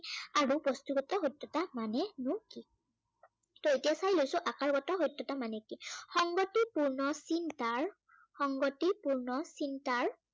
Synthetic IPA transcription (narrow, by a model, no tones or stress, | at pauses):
aɹubɔstuɡɔtɔɦojtːɔtamanɛnʊki | tɔetijasajlojsʊ̃ʔakaɹɡɔtɔɦojtːɔtamanɛkixɔŋɡɔtipuɹnɔsintaɹ | xɔŋɡɔtipuɹnɔsintaɹ